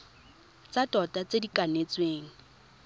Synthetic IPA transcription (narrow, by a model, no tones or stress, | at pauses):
t͡satʼɔtʼat͡sedikʼanet͡sweːŋ̩